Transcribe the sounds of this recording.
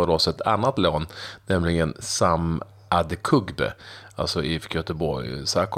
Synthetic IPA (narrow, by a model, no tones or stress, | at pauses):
ɔɾɔsɛt̪ʰa̰nːat̪loːnːɛmlɪɡənsam | ʔad̪kʰɵɡbə̰a̰lsɔʔɪfkjœt̪əbɔɾjsaːk